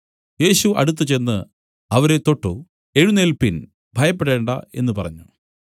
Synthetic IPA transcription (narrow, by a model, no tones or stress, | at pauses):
je̞ːɕuʔɐ̰ɽut̪ːɨt͡ɕe̞nːɨ | ɐʋɐɾe̞t̪o̞ʈːu | e̞ɻunelpin | bʱɐjɐpːeɽe̞ːɳɖɐ̰e̞̰nːɨpɐrɐɲːu